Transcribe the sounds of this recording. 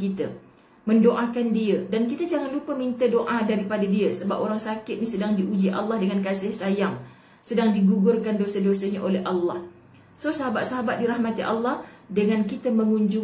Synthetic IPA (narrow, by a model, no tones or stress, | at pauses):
kit̪ə | mə̃ndoʔakandiədankit̪əd͡ʒaŋanlupəmint̪ədoʔadaɾipadadiəsəbap̚oɾaŋsakɪt̪̚nisədaŋdiʔud͡ʒiʔa̰lːɑhdəŋankasɪhsajaŋ | sədaŋdiɡuɡʊrkandosədosəɲaʔolɛɦʔalːɑh | sosəɦabat̪̚saɦabat̪̚diɾahmat̪iʔalːɑhdəŋãnkit̪əmə̃ŋuɲd͡ʒʊ